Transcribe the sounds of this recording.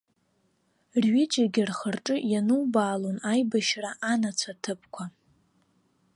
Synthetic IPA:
rɥɪd͡ʒʼaɡʲɪrχərʈ͡ʂʼɨjanubaːlonajbaʃraʔanat͡sʷʰatʰɨpʰʼkʷʰa

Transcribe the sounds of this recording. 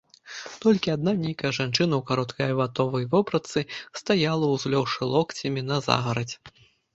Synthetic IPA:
t̪ɔlʲkʲiad̪̚nanʲejkɐjɛʐant͡ʂɨnɐwkaɾɔt̪kɐjɐvat̪ɔvɐjvɔpɾɐt̪sɨst̪ajalˠɐwzlʲɔwʂɨlˠɔkt͡sʲɐmʲinɐza̰ɣɐɾɐt͡sʲɛ

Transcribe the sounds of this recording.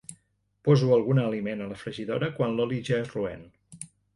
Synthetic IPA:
pɔzuəlˠɣunəːlimenələfɾəʒiðo̰ɾəkwanlɔliʒeruɛ̰n

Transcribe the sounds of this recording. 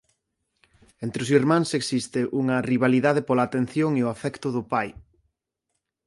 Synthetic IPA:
ent̪ɾɪʊsiɾmãŋseksist̪ɪʔuŋɐriβaliðaðɪpolaːt̪ẽn̟θjoŋeʊafɛkt̪ʊðʊpaj

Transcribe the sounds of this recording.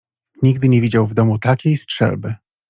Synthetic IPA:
ɲiɡd̪ɘɲevʲid͡ʑawvd̪ɔmut̪akʲejstʂɛ̰lbɘ

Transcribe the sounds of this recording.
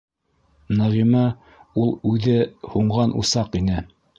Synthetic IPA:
nɑʁimɑ | ulˠʉðɘhuɴʁɑnʔṵsɑqinɘ

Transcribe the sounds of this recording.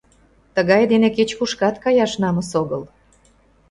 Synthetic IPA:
t̪əɣɑjd̪eneket͡ɕpuʃkɑt̪kɑjɑʃnɑməsoɣəl

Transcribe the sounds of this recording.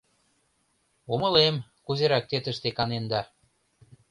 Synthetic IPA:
umə̆lemkuzeɾɑk̚t̪et̪ə̆ʃt̪ekɑnend̪ɑ

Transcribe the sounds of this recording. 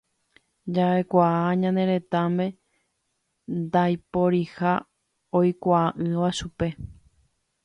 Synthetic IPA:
d͡ʒaekʷaaɲãnd̪e̞ɾe̞t̪amẽ̞ | nd̪ajpo̞ɾiha | ojkʷaaʔɨʋaʃupe̞

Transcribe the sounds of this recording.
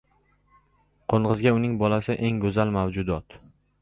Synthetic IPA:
qʰoɴʁɨzɡʲaʊnɪŋbɒlasɪʔe̞ŋɡɵzalmawd͡ʒʊd̪ɒt̪

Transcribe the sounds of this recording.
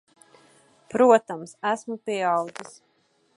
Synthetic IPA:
pɾuɔt̪amsæsmupiɛawd̪zis

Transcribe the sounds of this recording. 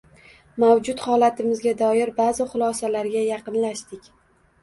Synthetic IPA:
mawd͡ʒʊt̪χɒlˠat̪ʰɪmɪzɡʲad̪ɒjɪɾbazɪχʊlˠɒsalaɾɡʲajɑqɨnlaʃd̪ɪkʲ

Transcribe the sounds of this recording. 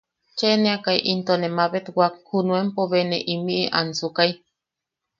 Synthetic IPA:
t͡ʃeneakaiʔint̪onemaβet̪wak̚hunuempoβeneʔimiʔiʔa̰nsukaj

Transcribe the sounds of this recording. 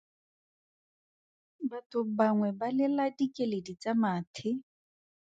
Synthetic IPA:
batʊbaŋwɛbalɪladikʼeledit͡samaːtʰɪ

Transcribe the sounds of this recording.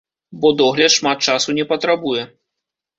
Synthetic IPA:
bɔd̪ɔɣlʲɐt̪ʂmat̪̚t͡ʂasunʲɛpɐt̪ɾabujɛ

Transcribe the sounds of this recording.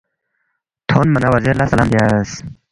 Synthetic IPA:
t̪ʰonmanawaziɾlasala̰mb̪jas

